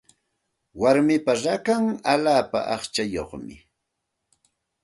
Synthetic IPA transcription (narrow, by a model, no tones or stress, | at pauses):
waɾmɪpaɾakaŋaʎaːpa̰ʔɑχt͡ʃajoχmɪ̰